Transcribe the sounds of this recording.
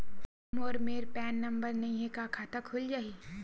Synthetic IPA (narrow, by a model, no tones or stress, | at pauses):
moːɾmeːɾpɛːnːɐ̃mbəɾnɐɦĩɦekakʰaːt̪akʰʊld͡ʒaːɦiː